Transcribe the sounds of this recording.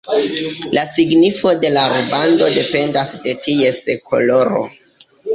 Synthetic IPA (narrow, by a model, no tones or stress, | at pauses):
lasiɡnifo̞de̞laɾubando̞de̞pe̞ndasde̞tie̞skʰo̞̰lo̞ɾo̰